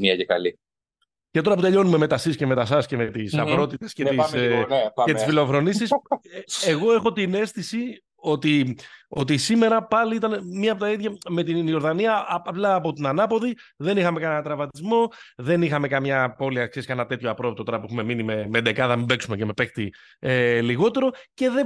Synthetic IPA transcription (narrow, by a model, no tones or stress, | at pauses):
miɐcekɐ̰li | ce̞t̪o̞ɾɐp̬ut̪e̞ʎo̞nume̞me̞t̪ɐsisce̞me̞t̪ɐsɐsceme̞t̪isɐvɾo̞t̪it̪e̞scet̪is | cet̪isfilo̞fɾo̞nisis | eɣo̞e̞xo̞t̪ine̞st̪isi | o̞t̪io̞t̪isime̞ɾɐpɐliit̪ɐnemːiɐpot̪ɐiðʝɐme̞t̪ino̞ɾðɐniɐplɐːpo̞t̪inɐnɐpo̞ði | ðe̞nixɐme̞kɐnɐɐt̪ɾɐvɐt̪izmo̞ðe̞nixɐme̞kɐmɲɐpo̞liɐksieskɐnɐt̪e̞t̪çoɐpɾo̞vot̪ot̪o̞ɾɐpuexume̞minimemed̪e̞kɐθɐmibe̞ksumeceme̞pe̞xt̪ḭ | eliɣo̞t̪e̞ɾo̞ce̞ðe